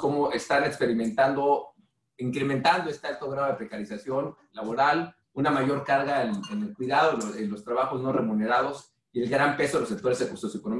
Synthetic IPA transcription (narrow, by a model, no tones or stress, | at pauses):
ko̞mo̞est̪anekspe̞ɾimẽ̞nt̪and̪o̞ | iŋkɾe̞mẽ̞nt̪and̪oest̪e̞alt̪oɣ̞ɾaðepɾe̞kaɾisasjo̞nlaβo̞ɾal | unamaʝo̞ɾkaɾɣaenenelkwiðað̞oenlo̞st̪ɾaβaxo̞zno̞re̞mũne̞ɾað̞o̞s | ie̞lɡɾampe̞soðelose̞k̚t̪oe̞zðekuɾsosekonom